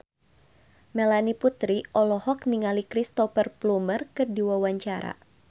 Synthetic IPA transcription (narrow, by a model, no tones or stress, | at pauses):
mɛlaniput̪ɾiʔɔlɔhɔk̚niŋalikɾist̪ɔfərplumərkɨrdiwawaɲt͡ʃaɾa̰